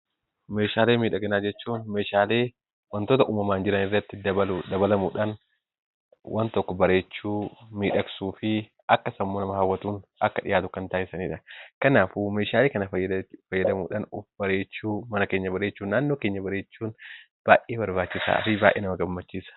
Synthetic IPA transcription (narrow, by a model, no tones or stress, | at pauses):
meːʃaːle̞ːmiːᶑɐɡɐnaːd͡ʒɛt͡ʃːuːnmeːʃaːle̞ː | wɐnt̪oːt̪ɐʔuːmɐmaːnd͡ʒɪɾɐnɪrːɐt̪ːɪɐɐd̪ɐbɐlɐmuːᶑaːn | wʔɐnt̪ɔkːɔbɐɾe̞ːt͡ʃːuːmiːᶑɐksuːfɪ | ɐkːɐsɐmːoːnɐmɐhawːɐt̪uːnʔɐkːɐᶑɪ̰jaːt̪ʊkɐnt̪aːʔɪsɐniːᶑɐkɐnaːfumeːʃaːleːkɐnɐfɐjːɐd̪ɐmuːᶑaːnʊfb̥ɐɾe̞ːt͡ʃːuːmɐnɐke̞ːɲːɐbɐɾeːt͡ʃːuːnːaːnːo̞ːkeːɲːɐbɐɾeːt͡ʃːuːn | b̥aːʔeːβɐɾbaːt͡ʃːɪsa̰ːɾibaːʔeːnɐmɐɡɐmːɐt͡ʃːiːsɐ̥